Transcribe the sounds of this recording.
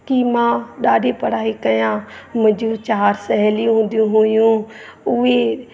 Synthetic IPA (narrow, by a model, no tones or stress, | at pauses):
kimãːɗaːɖepəɽ̤aːiːkɐjãːmɪ̃d͡ʒũt͡ʃaːɾsəɦɛlijũɦʊ̃ːnd̪ijũɦoːjũːʊe